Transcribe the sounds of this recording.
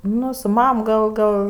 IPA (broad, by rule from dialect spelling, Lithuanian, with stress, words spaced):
ˈnʊ sʊ ˈmɐm ɡɐlˠ ˈɡɐlˠ